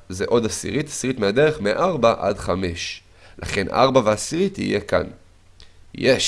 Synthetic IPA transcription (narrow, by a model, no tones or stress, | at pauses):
zeʔo̞dasḭʁitḁsiʁitmeade̞ʁeχmeʔaʁbaʔa̰dχame̞ʃ | lʔa̰χe̞nʔa̰ʁbaveasiʁitḭje̞ka̰n | je